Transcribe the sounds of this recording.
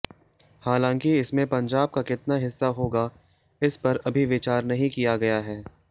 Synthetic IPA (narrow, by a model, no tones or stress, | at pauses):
haːlãːŋkiɪsmẽpɐ̃ɲd͡ʒaːb̚kakɪt̪naɦɪsːaɦoːɡa | ɪspɐɾɐbʱiʋɪt͡ʃaːɾnɐɦĩkijaɡɐjaɦɛː